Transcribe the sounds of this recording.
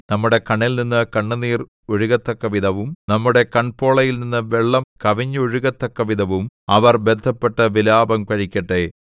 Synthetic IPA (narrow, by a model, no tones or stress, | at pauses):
nɐmːuɽe̞kɐɳːilninːɨkɐɳːɐniːr | oɻuɣɐt̪ːɐkːɐʋid̪ɐʋumnɐmːuɽe̞kɐɳpo̞ːɭɐjilninːɨʋeɭːɐmkɐʋiɲːɐoɻuɣɐt̪ːɐkːɐʋid̪ʱɐʋumɐʋɐrbed̪ʱːɐpːeʈːɐʋilaːbɐmkɐɻikʲːɐʈːe